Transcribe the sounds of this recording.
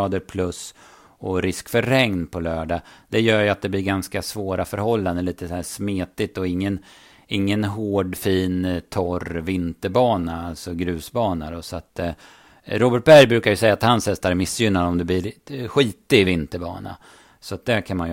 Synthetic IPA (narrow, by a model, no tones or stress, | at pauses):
ɑːd̪əɾpʰlɵs | ɔɾɪskfœɾːɛŋnpʰɔlœːɖad̪̥ɛjœːɾjɵat̪̚d̪ɛblɪɾɡanskasvoːɾafœɾhɔlːand̪əliːt̪əsæːʂmeːt̪ɪt̪ːɔɪŋːən | ɪŋːənɦoːɖfiːnt̪ʰɔɾvɪnt̪əɾbɑːnaalt̪sɔɡɾʉ̟ːsbɑːnad̪ɔsɔat̪ | ɾoːbəʈ̚bæɾjbɾʉ̟ːkaɾjɵsɛjːaːt̪hanshɛst̪aɾɛɾmɪsːjʏnːad̪ɔmd̪ɛblɪɾɧiːt̪ɪvɪnt̪əɾbɑ̰ːna̰ | sɔat̪̚d̪ɛkʰanmanj